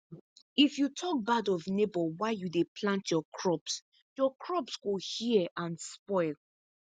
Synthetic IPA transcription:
ifjutʰɔk̚badɔvnebɔwaɪjudepʰlãntʰjɔkʰɹɔps | jɔkʰɹɔpsɡohiʔãnspɔɪl

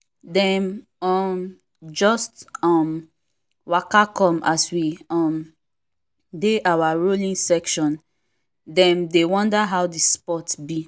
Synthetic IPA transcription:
dɛ̃n | ɔm | d͡ʒɔstɔm | wakakɔ̃maswiɔ̃m | deʔawaɹolĩŋsɛkʃɔ̃n | dɛ̃mdewɔ̃ndaɦawdispɔtbi

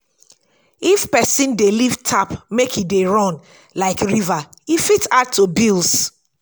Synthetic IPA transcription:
ifpɛsĩndelivtʰapmekʰideɹɔ̃n | laɪkɹivaifitatʰːubilˠs

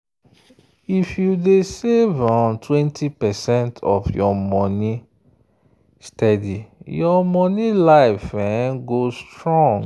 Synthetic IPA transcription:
ifjudesevãntʰwɛ̃ntʰipɛsɛ̃ntʰɔfjɔmɔni | stɛdijɔmɔnilaɪfɛ̃nɡostɹɔ̃ŋɡ

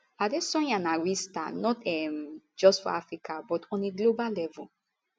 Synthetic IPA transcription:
adesɔ̃j̃ãnaɹista̰nɔtɛmd͡ʒɔstfɔ̰afɹikʰabɔtʰɔ̃nleɡlobalɛvu

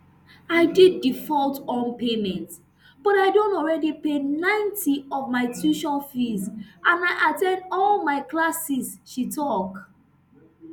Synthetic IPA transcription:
aɪdidːifɔltɔ̃npemɛ̃nt | b̥ɔtaɪdõntɔlɹɛdipenãɪ̃ntʰiɔvmaɪtuʃɔfizʔãnaɪʔatɛ̃ndɔlmaɪklasisʃitʰɔk

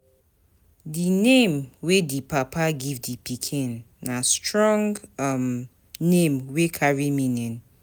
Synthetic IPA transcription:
dinẽmwedipʰapʰaɡivdipikʰĩnː | astʰɹɔ̃ŋɡm | nẽmwekʰaɹimĩnɛ̃n

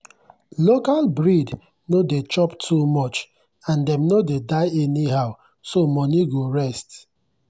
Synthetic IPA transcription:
lokalbɹid | nodet͡ʃɔptʰumɔt͡ʃ | ãndɛmnodedaɪɛniɦaʊ | somɔniɡoɹɛst

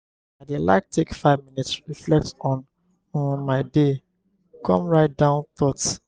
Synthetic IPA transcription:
adela̰ɪk̚tʰekfaɪvminitsɹiflɛk̚tɔ̃n̩ | maɪde | kʰɔ̰̃mɹaɪt̚dãʊ̃nθɔt

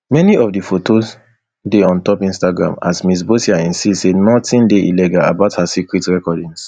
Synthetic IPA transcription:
mɛniɔfdifotʰos | deɔ̃ntɔpĩnstaɡɹã̰ma̰smis̬bosiaĩnsisenɔtĩndeʔḭlɛɡala̰baʊthasikɹitɹɛkɔdĩŋs

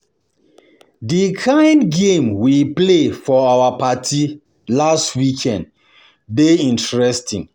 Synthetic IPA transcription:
dikʰãɪ̃ndɡẽmwiplefɔawapatʰi | lastwikʰɛ̃nd | beĩntɹɛstĩŋ

